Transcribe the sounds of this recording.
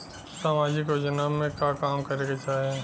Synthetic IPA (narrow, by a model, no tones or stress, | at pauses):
saːmaːd͡ʒɪkjoːd͡ʒnamẽkakaːmkɐɾeːɡat͡ʃaːɦ